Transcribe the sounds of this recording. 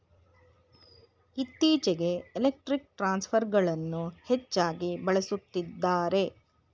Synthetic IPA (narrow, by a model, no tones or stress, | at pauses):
it̪ːiːt͡ʃɛɡe̞ːlek̚ʈɾik̚ʈɾaːnspʰɐɾɡɐɭɐnːuhet͡ʃːaːɡibɐɭesut̪ːid̪ːaːɾe̞